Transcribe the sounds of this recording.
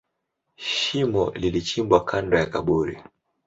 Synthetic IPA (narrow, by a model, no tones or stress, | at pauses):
ʃimɔ̰lilit͡ʃimbwakʰandɔjakaɓuɾḭ